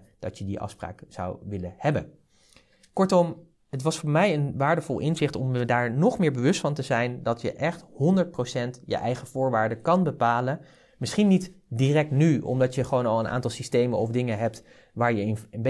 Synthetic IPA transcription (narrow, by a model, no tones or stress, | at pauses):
d̥ɑ̰tjədḭʔɑ̰fspra̰ːkz̥ɑ̰wʋɪləhɛbən | kɔɹtɔm | ətʋɑsfʊːɹmɛjənʋaːɹdəvɔlˠʔɪnzɪχtɔmʋədaːɹnɔχmɪːɹbəʋɵstfɑntəzɛjndɑtjə̰ʔɛχthɔndəɹt̚prowsɛntjə̰ʔɛjχəv̥ʊːɹʋaːɹdəkɑnbəpaːlən | mɪsχinitdirɛk̚tnyɔ̰mdɑtjəχəʋownɑlˠənʔa̰ːntɑlˠsistejmənɔfdɪŋəɦɛp̚t | ʋaːɹjənənb